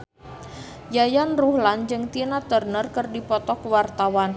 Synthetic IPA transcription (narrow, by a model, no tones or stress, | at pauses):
jajanruhland͡ʒɨŋt̪inat̪ərnərkɨrdipɔt̪ɔkwart̪awan